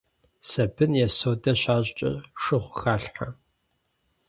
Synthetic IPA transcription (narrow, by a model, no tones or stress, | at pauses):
sɐbɨnjɛsoːdɐɕaːɕʼt͡ʃʼɐ̰ʂɨχʷʊxaːɬħa